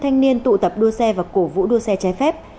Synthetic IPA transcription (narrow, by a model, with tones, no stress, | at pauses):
t̪ʰa˧jŋ̟ni˧ənt̪ṵ˧˨t̪ə˨˩p̚ɗu˧əsɛ˧vaː˨˩ko˧˩vṵ˧˥ɗu˧əsɛ˧t͡ɕa˨˦fɛ˦˥p̚